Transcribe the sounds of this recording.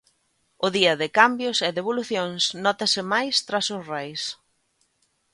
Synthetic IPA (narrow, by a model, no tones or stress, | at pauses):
ʊðiɐðɪkambjʊsɪðeβoluθjoŋsnɔt̪ɐsɪmajst̪ɾasʊsrɛjs